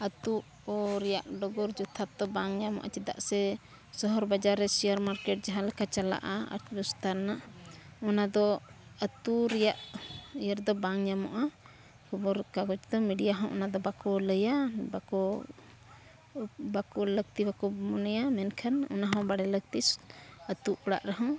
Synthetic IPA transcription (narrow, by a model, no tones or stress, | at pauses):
ət̪u | ɔɾɛjaʔɖɔɡɔɾd͡ʒut̪ʰat̪ɔbaŋjamɔ̰ʔa̰t͡ʃid̪a̰ʔsɛ | sɔɦɔɾbad͡ʒaɾːɛsijaɾmaɾkɛʈ̚d͡ʒaɦãlɛkʰat͡ʃala̰ʔaa̰ɾt̪bɔst̪aɾnaɔnad̪ɔət̪uɾɛjaʔjəɾd̪ɔbaŋjamɔ̰ʔa | kʰɔbɔɾkaɡɔt͡ʃd̪ɔmiɖijaɦɔ̃ʔɔnad̪ɔbakɔləjabakɔ | bakɔləɡ̚t̪ibakɔmɔnɛjamɛnkʰanɔ̰naɦɔ̃baɽɛləɡ̚t̪isət̪uʔɔɽa̰ʔɾaɦɔ̃